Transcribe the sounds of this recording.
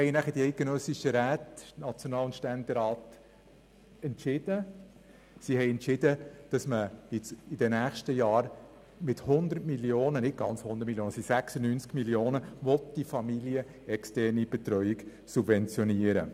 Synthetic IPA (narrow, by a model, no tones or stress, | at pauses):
hɛɪnæχəd̥iɛɪt̚ɡ̥enœsiʃəɾæːtnɑt͡sjonɑːlʊntʃtɛnd̪əɾɑːt | ɛntʃɪd̥ə | sihɛɪɛnt͡ʃɪdəd̥ɑsməɪt͡sɪd̥ənæːχʃtəjɑːɾ | mɪthʊnd̪ərtmiljoːnənɪt̚ɡ̥ɑnt͡shʊnd̪ətmiljoːnəsisæksənyːnt͡skmiljoːnəʋɔt̚d̥ifɑmiliə | ɛkstɛrnib̥ɛt̪ɾœʏik | subvɛnt͡sjɔniəɾə̰